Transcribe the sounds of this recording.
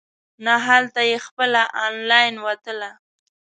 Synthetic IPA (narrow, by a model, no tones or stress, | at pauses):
naɦalt̪ajexpəlaʔɑnlɑjnwat̪əla